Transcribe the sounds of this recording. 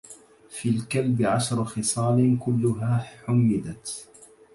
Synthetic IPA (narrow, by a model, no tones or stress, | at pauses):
fiːlkalbɪʕaʃɾˤxɨsˤɑːlɪkʊlːʊɦaːħʊmːɪd̪at̪